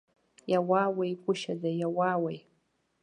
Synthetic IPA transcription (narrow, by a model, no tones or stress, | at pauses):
jawaːweikʷʼʊʃazajawaːwej